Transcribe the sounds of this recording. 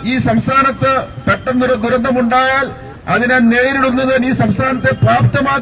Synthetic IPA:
iːsɐmst̪ʰaːnɐt̪ːɨpeʈːɐnːuɾɐd̪uɾɐnd̪ʱɐmuɳɖaːjaːl | ɐðinaneːjɾiɽunːɐðɨniːsɐmst̪ʰaːnɐt̪ːe̞paːpt̪ːɐmaː

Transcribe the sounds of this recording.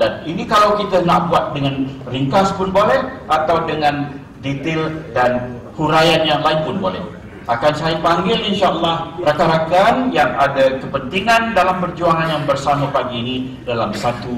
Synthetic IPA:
daninikalawkit̪ənaʔbuat̪̚dəŋanriŋkaspʊnbolɛhʔat̪awdəŋãn | dit̪ɪldan | huɾajanjaŋlaɪnpʊnbolɛ̰h | ʔakansaipaŋɡɪlinʃaəlːɑhrakaɾakanjaŋadakəpənt̪iŋãndalampərd͡ʒuaŋanjaŋbərsamapaɡiːni | dalamsat̪u

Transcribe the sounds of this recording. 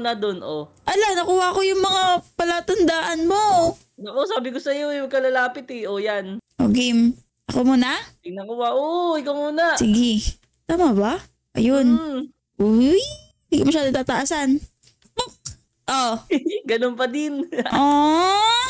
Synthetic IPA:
nɐd̪onʔo | ʔɐlamnɐkuːhɐʔkojʊŋmɐŋapɐlat̪ɐnd̪aːʔɐnmo̞ | nɐʔosaːbɪkosɐjojʊŋkɐlɐlaːpɪt̪ɛojanʔoɡim | ʔɐkomuːnɐnɐkuːhɐʔoɪkomuːnɐsɪɡɪ | t̪aːmɐba | ʔɐ̰jon | ʔʊj | nd̪iːkomɐʃaːd̪oŋt̪aːt̪ɐʔaːsan | ʔoɡɐnonpɐd̪ɪnʔo

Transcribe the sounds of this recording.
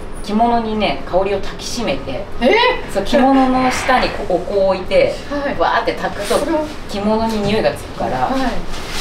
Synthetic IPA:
kʲimo̞no̞ɲ̟ine̞kao̞ɾʲio̞t̪ʰakʲi̥ɕime̞t̪e̞sokʲimo̞no̞no̞ɕɨ̥t̪aɲ̟ikookoːit̪e̞ | βa̰ːt̪ːe̞t̪akɯ̟̥t̪o̞ | kʲimo̞no̞ɲ̟iɲʲɯɡat͡sɨ̥kɯ̟̥ka̰ɾa

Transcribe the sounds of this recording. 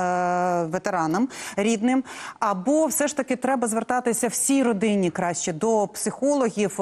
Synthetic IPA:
ʋet̪eɾɑnɐmɾʲid̪nɪmɐbɔwsɛʃt̪ɐkɪt̪ɾɛbɐzʋert̪ɑt̪ɪsʲɐwsʲijɾɔd̪ɪnʲikɾɑʃt͡ʃɛd̪ɔpsɪxɔlˠɔɦʲiw

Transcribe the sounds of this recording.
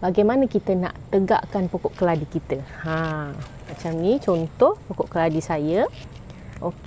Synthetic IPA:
baɡajmanakit̪əna̰ʔt̪əɡa̰ʔkanpokɔʔkəladikit̪əã | mat͡ʃamnit͡ʃont̪ɔhpokɔʔkəladisajə | ok

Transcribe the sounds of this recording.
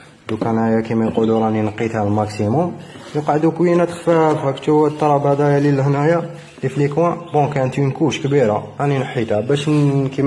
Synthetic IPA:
d̪ukænhæjækimæjquluɾˤɑninəqːit̪hælmæksimʊmjəqʕəd̪ukwjinæt̪ə̥xfæfhækt̪uæt̪ːɑɾˤɑbæd̪æjælilhənæja | liflikwæbõkæənt̪unkuʃkbiɾaʔæninəħːit̪hæbæʃki

